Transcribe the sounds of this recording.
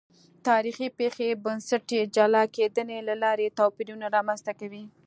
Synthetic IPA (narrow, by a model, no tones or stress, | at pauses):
t̪ɑɾixipexebənsaʈed͡ʒalɑked̪ənelalɑɾet̪ɑpiɾunaɾɑmanzt̪akawi